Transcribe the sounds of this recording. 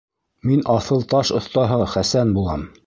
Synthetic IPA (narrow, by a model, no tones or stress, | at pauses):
minʔɑθɤlˠt̪ɑʃŏθt̪ɑɦɤχæsænbulˠɑm